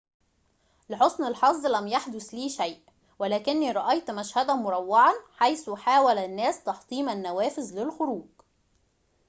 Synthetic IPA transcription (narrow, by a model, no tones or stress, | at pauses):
lɪħosˤnɪlħɑzˤːlæmjaħd̪ʊsliːʃæjʔ | wælæːkɪnːiːɾˤɑʔɑjt̪mæʃhæd̪æmʊɾˤɑwːɑʕɑnħajsuħaːwælænːæːst̪ɑħt̪ˤiːmænːæwæːfɪzlɪlxʊɾuːɡ̥